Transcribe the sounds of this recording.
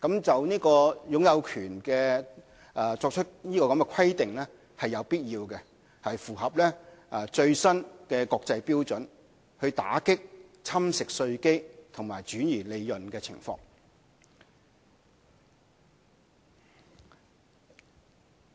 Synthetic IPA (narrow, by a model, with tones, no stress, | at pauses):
kɐ˨˥mt͡sɐ˨wniː˥kɔː˧jʊ˨˥ŋjɐ˨˧wkʰyː˨˩nkɛː˧ | ʔːt͡sɔː˧k̚t͡ʃʰɵ˥t̚niː˥kɔː˧kɐ˨˦mkɛ˧kʰɐ˥jt̪ɪ˨ŋlɛː˥ | hɐ˨jɐ˨˧wpiː˥t̚jiː˧wkɛ˧ | hɐ˨jfuː˨˩ɦɐ˨p̚lɛː˥˨t͡ʃɵ˧ɥsɐ˥nkɛː˧kɔː˧k̚t͡sɐ˧jpiː˥wt͡sɵ˨˥n | hɵ˧ɥt̪a̰ː˨˥kɪ˥k̚t͡sʰɐ˥msɪ˨k̚sɵ˧ɥke˥jt̪ʰʊ˨˩ŋmaː˨˩jt͡ʃyː˨˥njiː˨˩le˨˧jːɵ˨nkɛː˧t͡sʰɪ̰˨˩ŋfɔ̰ː˧ŋ